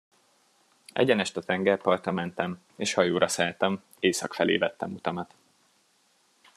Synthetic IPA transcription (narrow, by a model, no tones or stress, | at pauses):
ɛ̰ɟɛnɛʃt̪ɒt̪ɛŋɡɛrpɒrt̪ɒmɛnt̪ɛm | eːʃhɒjoːɾɒsæːlt̪ɛm | eːsɒkfɛlḛːvɛt̪ːɛmut̪ɒmɒt̪